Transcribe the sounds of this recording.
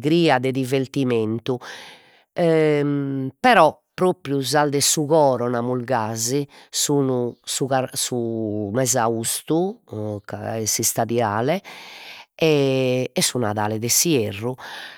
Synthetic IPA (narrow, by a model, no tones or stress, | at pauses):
ɣɾiːad̪ɛd̪iveɾt̪iment̪u | ɛ | pɛɾɔpːɾoːpɾjuzald̪ɛsuɣɔːɾɔnamulɡaːzisuːnusuɣaɾsumɛzaust̪uka̰ɛsist̪aðiaːlɛ | ɛɛsːunaðaːlɛðɛsierːu